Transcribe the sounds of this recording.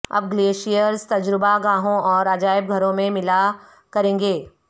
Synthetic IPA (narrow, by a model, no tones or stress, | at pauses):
ɐ̰b̚ɡleːʃijəɾzt̪ɐd͡ʒɾɪbaɡãːɦõʔɔːɾɐd͡ʒaːɪb̚ɡʱɐɾõmẽmɪla | kɐɾẽːŋɡeː